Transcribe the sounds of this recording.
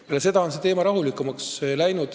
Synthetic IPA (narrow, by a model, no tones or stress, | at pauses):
lese̞d̪ɑo̞nse̞t̪e̞ːmɑɾɑɦulikːˑumɑkslæjnud̪̥